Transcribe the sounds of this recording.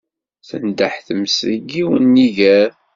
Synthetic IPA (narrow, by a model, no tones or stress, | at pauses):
θə̰nd̪əħθəmsəɡiwənːiʝæɾ